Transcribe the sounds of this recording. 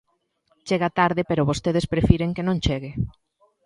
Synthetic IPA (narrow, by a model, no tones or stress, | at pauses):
t͡ʃeɣat̪aɾðɪpeɾoβost̪eð̞espɾefiɾeŋkenõŋt͡ʃeɣɪ